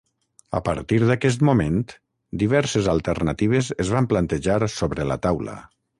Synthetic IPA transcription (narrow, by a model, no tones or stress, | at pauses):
ə̰pə̰ɾt̪iɾðakɛs̬t̪mument̪ | d̪iβɛɾsezalˠt̪əɾnat̪iβ̞ezezβamplant̪eʒaɾsoβɾələ̰t̪awlə̰